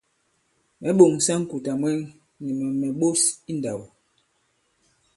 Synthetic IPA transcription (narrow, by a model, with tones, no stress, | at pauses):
mɛ˨˦ɓo˨ŋsa˦ŋ̩˦ku˨ta˨mwɛ˦ŋ | ɲi˨ma˨mɛ˨ɓo˦si˦n˨da˨wo˨